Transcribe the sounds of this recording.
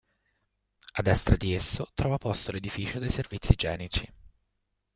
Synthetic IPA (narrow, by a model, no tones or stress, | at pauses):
ad̪ɛst̪ɾad̪iesːot̪ɾɔːvapɔst̪oled̪ifiːt͡ʃod̪ejservit̪sːid͡ʒɛːnit͡ʃi